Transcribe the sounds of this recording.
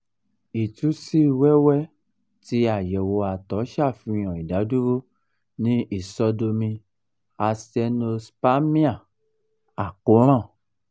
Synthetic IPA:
i˨tu˨˦si˦˨wɛ˦wɛ˦ | ti˧˦a˨jɛ˨wo˧a˨tɔ˨˦ʃa˦˨fĩ˧˦j̃ɔ̃˨i˨da˨˦du˦ɾo˦ | nĩ˦i˦˨sɔ˧do˧mĩ˧ | a˧sɛ˧no˧spa˦mĩ˦a˦˨ | a˨ko˨˦ɾ̃ã˦˨

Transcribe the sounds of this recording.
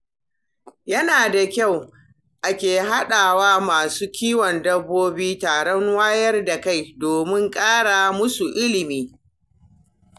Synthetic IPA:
jɐ˦naː˨da˨kʲa˦˨w | ʔa˨kʲeː˨ɦa˦ɗaː˨waː˦maː˨suː˦kʲiː˦wɔ˨ndɐ˦bːoː˦biː˦taː˨ɽɔ˦ŋwaː˦jɐ˦rda˨ka˦˨jdoː˨mɪ˦ŋkʼaː˦ɽa˨mʊ˦su˨ʔɪ˦lɪ˨miː˦

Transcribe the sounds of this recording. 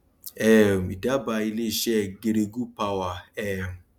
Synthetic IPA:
ɛ˦˨m̩˨i˨da˦ba˧i˦le˦i˨ʃɛ˦˨ɡe˨ɾe˧ɡu˦pa˦wa˨ɛ˦˨m̩˨

